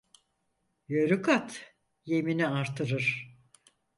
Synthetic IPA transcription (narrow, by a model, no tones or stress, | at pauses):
jøɾykʰat̪ | je̞miniaɾt̪ʰɯɾɯɾ̥